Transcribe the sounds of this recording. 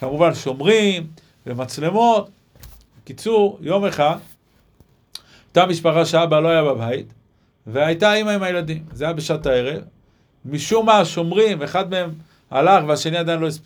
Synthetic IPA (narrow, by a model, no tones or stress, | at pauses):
kamuvanʃo̞mʁim | vemat͡slemo̞t̪ | vekit͡suʁjo̞me̞χad̪ | ot̪amiʃpaχaʃeabalo̞ajababait̪ | veajtaimaimajelad̪imzajabeʃat̪ae̞ʁe̞v | miʃumaʃo̞mʁimveːχad̪me̞e̞m | a̰laχveaʃe̞niad̪ajnlo̞isp